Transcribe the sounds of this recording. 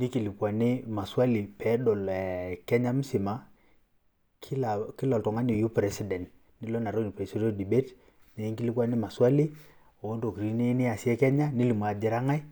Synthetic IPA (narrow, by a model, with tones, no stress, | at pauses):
ni˦ki˨li˨kwa˨ni˦ma˨swa˦li˨pɛ˨˦dɔ˨lkɛ˦ɲa˦m̩˦si˨ma˦ | kʰi˦la˨ki˦lɔ˨ltɔ˨ŋa˦ni˨ju˦pɾɛ˦si˨dɛ˨nt | ni˦lo˦na˨ɾo˦n˨pe˨si˦ɾo˦di˨be˦t | ne˨˦ŋki˦li˦kwa˦ni˦ma˨swa˦li˦ | o˨o˦nto˨ki˨ɾi˦ni˦ni˦a˨sjɛ˦kɛ˦ɲa˦ni˦li˨m˨a˨d͡ʒɪ˦ɾa˦ŋa˦j